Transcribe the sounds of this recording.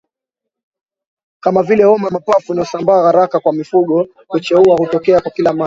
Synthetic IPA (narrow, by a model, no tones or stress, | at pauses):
kamavilɛhɔmamapafunajɔsambaːhaɾakakwamifuɠɔ | hut͡ʃɛuahutɔkɛakwakilama